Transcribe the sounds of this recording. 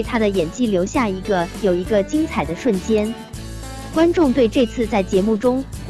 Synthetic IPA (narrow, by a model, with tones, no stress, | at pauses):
ɪt̪ʰa˥d̪ə˨jɛ˨˩nt͡ɕi˥˩ljo˧˥ʊɕja˥˩i˧˥ɡə˧jo˨˩ʊi˧˥ɡə˧t͡ɕi˥ŋt͡sʰa˨˩ɪd̪ə˦ʂwə˥˩nt͡ɕjɛ˥n | kwa˥nʈ͡ʂʊ˥˧ŋt̪we˥˧ɪʈ͡ʂɤ˥˧t͡sʰɹ̩˥˧t͡sa˥˩ɪt͡ɕjɛ˧˥mu˥˩ʈ͡ʂʊ˥ŋ